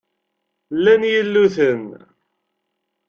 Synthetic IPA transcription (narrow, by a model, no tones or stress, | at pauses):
lːænjəlːuθən